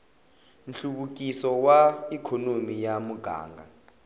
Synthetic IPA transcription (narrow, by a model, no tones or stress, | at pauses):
n̩ɬuɓuk̬ʼisɔwaikʰɔnomijamuɡ̥ʱa̰ːŋɡʱa̰